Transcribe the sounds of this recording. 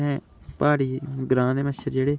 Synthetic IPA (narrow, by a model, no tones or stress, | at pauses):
ɛ̃ː | paːɽiːɡɾãːd̪eːməʃəɾd͡ʒeːɽeː